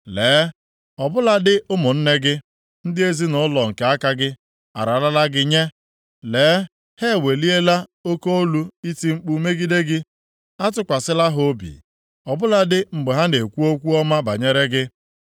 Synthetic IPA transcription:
leː˨˦ | ɔ˨bʊ˦la˦dɪ˦ʔʊ˦mʊ˨n̩˦ne˦ɡɪ˦ | n̩˦dɪ˦e˦zi˦nʊ˦lɔ˨ŋ̩˨ke˨a˦ka˦ɡɪ˦ | a̰˨ɾa˨la˦la˦ɡɪ˦ɲe˦ | leː˨˦ | he˦˨we˨li˦e˦la˦o˦ko˦o˦lu˦i˦ti˨ŋ͡m̩˦k͡pu˨˦me˦ɡi˦de˦ɡɪ˦ | a˦tʊ˦kʷa˨sɪ˦la˦ɦo˦bḭ˨ | ɔ˨bʊ˦la˦dɪ˦ŋ͡m̩˨ɡ͡be˨ɦa˦ne˨kʷu˦o˦kʷu˦ɔ˦ma˦ba̰˨ɲe˦ɾe˦ɡɪ˦

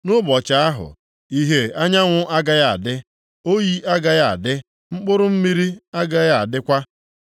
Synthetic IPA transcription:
nʊ˦bɔ˨t͡ʃa˨a˦ɦʊ̰˨ | i˦ɦe˨a˦ɲa˦ŋʷʊ˦ʔa˦ɡa˦ja˦˨a̰˨dɪ˦ | o˦ji˦ʔa˦ɡa˦ja˨a̰˨dɪ˦ | ŋ͡m̩˦k͡pʊ˦ɾʊ˦m̩˦mi˦ɾi˦a˦ɡa˦ja˦˨a˨dɪ˦kʷa˦

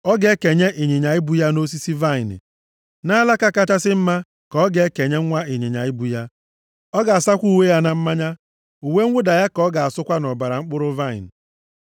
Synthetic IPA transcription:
ɔ˦ɡe˦ke˨ɲe˦ʔi˨ɲe˨ɲa˨ɪ˦bu˦ja˦no˦s̬i˦si˦va˦ɪ˨n̰˨ | na˦la˦ka˦ka˦ta˦sɪ˦m̩˦ma˦ | kɔ˦ɡe˨˦ke˨ɲe˦ŋ˦ŋʷa˦i˨ɲe˨ɲa̰˨ɪ˦bu˦ja˦ | ɔ˦ɡa˨a˨sa˦kʷu˦˨we˦ja˦na˦m̩˦ma˦ɲa˦ | u˨we˦ŋ̩ʷ˦ʊ˦da˨ja˦kɔ˦ɡa˨a˨sʊ˦kʷa˦nɔ˨ba˨ɾa˨ŋ͡m̩˦k͡pʊ˦ɾʊ˦va˦˨ɪ̰˨n̩˨

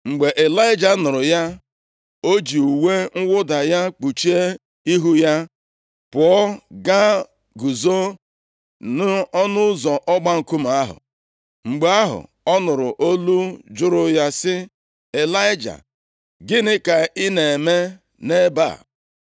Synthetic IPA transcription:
ŋ͡m̩˨ɡ͡be˨ʔe˨la˦ɪ˦d͡ʒa˨˦nʊ˨ɾʊ˨ja˦ | o˦d͡ʒi˨u˨we˦ŋ̩˦wʊ˦da˨ja˦k͡pu˨t͡ʃi˦e˦ | i˦ɦu˦ja˦ | pʊ˨ɔ˦ɡa˦ | ɡu˨zo˦ | nʊ˦ɔ˦nʊ˦zɔ˨ʔɔ˦ɡ͡ba˦ŋ̩˨ku˦m˨a˦ɦʊ̰˨ | ŋ͡m̩˨ɡ͡be˨˦a˦ɦʊ̰˨ | ɔ˦nʊ˨ɾʊ˨ʔo˦lu˦d͡ʒʊ˦ɾʊ˦ja˦sɪ˦ | e˨la˦ɪ˦d͡ʒa̰˨ | ɡɪ˦nɪ˦ka˨i˦ne˨me˦ | ne˦ba̰˦˨

